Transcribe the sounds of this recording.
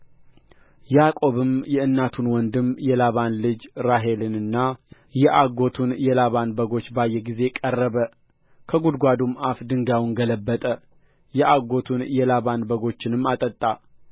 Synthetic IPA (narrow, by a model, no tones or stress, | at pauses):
jakʼo̞βɨmjɛɨnːat̪ʰunwɔnd̪ɨmjɛlaβanlɨd͡ʒɾaɦe̞lɨnɨnːa | jɛʔaɡo̞t̪ʰunjɛlaβanbəɡo̞t͡ʃːbajːɛɡize̞kʼərːəβə | kʰəɡud̪ɡʷad̪umafd̪ɨŋɡawnɡələbːət̪ʼə | jɛʔaɡo̞t̪ʰunjɛlaβanbəɡo̞t͡ʃːɪnɨmːat̪ʼət̪ʼːa